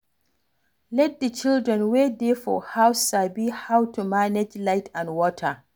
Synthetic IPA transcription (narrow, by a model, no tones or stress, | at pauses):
lɛt̚dət͡ʃɪldɹɛnweːdeːfɔ̰hawsabiːhawtumanɛd͡ʒlajtʰãnwɔːtʰa